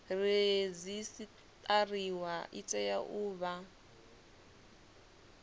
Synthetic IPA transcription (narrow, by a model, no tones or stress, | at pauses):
red͡zisi | t̪ʼariwaʔit͡sʼɛjaʔuːβa